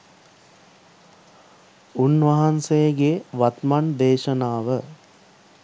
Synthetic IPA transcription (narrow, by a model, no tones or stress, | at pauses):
unʋɐɦansejɡeʋat̪mand̪eːʃənaːʋə